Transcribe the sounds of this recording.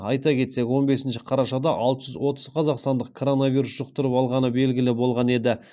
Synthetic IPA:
ɑjt̪ɑkʲʰe̞t̪se̞kʲwo̞nbe̞sɪnʃɪ̥qʰɑɾɑʃɑd̪ɑʔɑlˠt̪əʒʏzwo̞t̪əz̥qʰɑzɑqst̪ɑnd̪əq̚kʰo̞ɾo̞navʲijɾusʒ̥əq̚t̪əɾəpɑlˠʁɑnəbe̞lɡʲɪlɪbo̞lˠʁɑne̞d̪ɪ

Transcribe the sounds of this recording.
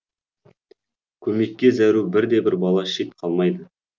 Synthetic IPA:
kʲʰɵme̞kʲːe̞zæɾubɪɾd̪e̞bɪɾbɑlˠɑʃet̪̚qʰɑlˠmɑjd̪ə

